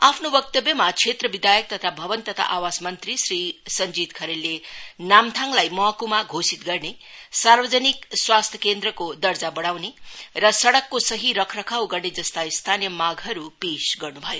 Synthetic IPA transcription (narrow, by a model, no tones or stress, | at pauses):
apʰnobʌk̚t̪ʌbjʌmat͡sʰet̪rʌbid̪ʱajʌk̚t̪ʌt̪ʰabʱʌbʌnt̪ʌt̪ʰa̰ʔawasmʌnt̪risrisʌnd͡zit̪kʰʌɾelːenamt̪ʰaŋlajmʌɦkumaɡʱosit̪̚ɡʌrnesarbʌd͡zʌnikswast̪ʰjʌ̥kend̪ɾʌkod̪ʌrd͡zabʌɽawnerʌsʌɽʌkːosʌɦiɾʌkʰrʌkʰawɡʌrned͡zʌst̪aist̪ʰanjʌmaɡʱʌɾupesɡʌrnubʱʌjo